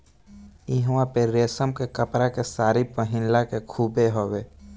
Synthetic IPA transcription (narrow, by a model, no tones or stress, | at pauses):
iɦwãpeɾeːsəmkekəpɾakesaːɾipəɦɪ̃nlakekʰuːbeɦoːɡeː